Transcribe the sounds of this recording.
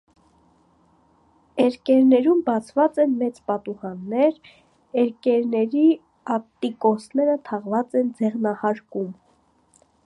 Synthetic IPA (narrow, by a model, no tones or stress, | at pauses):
ɛɾkɛɾnɛɾumbɑt͡sʰvɑt͡sɛnmɛt͡spɑt̪uʁɑnːɛɾ | ɛɾkɛɾnɛɾi | ɑp̚t̪ikɔsnɛɾət̪ʰɑʁvɑt͡sɛnd͡zɛʁnɑhɑɾkum